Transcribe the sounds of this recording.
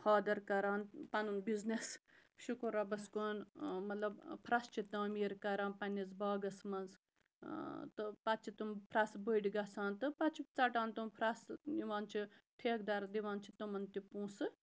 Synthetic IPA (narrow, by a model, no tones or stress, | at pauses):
haːd̪ɐɾkɐɾaːnpɐnunbiznes | ʃukuɾabɐskoːnmɐt̪lɐbpʰɾɐst͡ʃʰit̪aːmiːɾkɐɾaːnpɐnʲizbaːɡɐsmɐnz | t̪ɨpɐtt͡ʃʰit̪umpʰɾɐsbəiɖʲiɡɐsaːnt̪ɨpɐt͡ʃʰit͡sɐʈaːnt̪umpʰɾɐsiʋaːnt͡ʃʰiʈʰeːk̚d̪ɐɾd̪iʋaːnt͡ʃʰit̪umɐnt̪ipũːsɨ